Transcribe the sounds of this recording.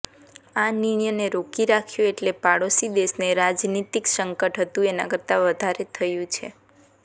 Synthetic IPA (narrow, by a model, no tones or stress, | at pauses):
aniɳ̃jəneɾokiɾakʰjũeʈlepaɽosid̪eʃneɾad͡ʒnit̪iksəŋkəʈɦət̪ũena̰kəɾt̪aʋəd̪ʱaɾet̪ʰəjũt͡ʃʰḛ